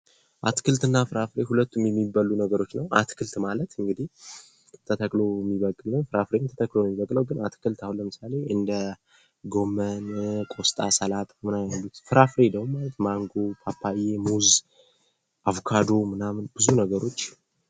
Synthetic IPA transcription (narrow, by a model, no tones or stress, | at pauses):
ʔat̪kʰɨlt̪ɨnːafɨɾafɾe̞hulət̪ːumjɛmːibalːunəɡəɾo̞t͡ʃːnəwʔa̰t̪kʰɨlt̪malət̪ɨŋɡɨd̪ih | t̪ʰət̪ʰəkʼlo̞ɛmːiβəkʼːɨlnəwfɨɾafɾemt̪ʰə̥t̪ʰəkʼlojɛmːiβəkʼːləwɡɨnat̪kʰɨlt̪ahunlːəmɨsale̞ʔɨnd̪ə | ɡo̞mːənkʼo̞st̪ʼa̰səlat̪ʼmɨnajalːut̪fɨɾafɾe̞d̪əwmalət̪maŋɡo̞pʰapʰːajemuz | ʔaβkʰad̪o̞mɨnamnbɨzunəɡəɾo̞t͡ʃː